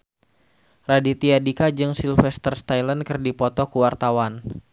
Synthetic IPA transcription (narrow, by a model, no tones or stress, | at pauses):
radit̪iadikad͡ʒɨŋsilfɛst̪ərst̪ajlankɨrdipɔt̪ɔkuwart̪awan